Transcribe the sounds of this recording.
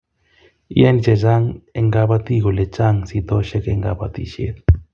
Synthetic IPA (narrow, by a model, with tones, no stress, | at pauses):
ḭ˦a˦nit͡ʃe˨d͡ʒa˦ŋe˨ŋɡa˧ba˦t̪i˦ɣo˨le˨t͡ʃa˦ŋsit̪o˦ʃe˦ke˧ŋɡa˧ba̰˧t̪ḭʃḛ˦t̪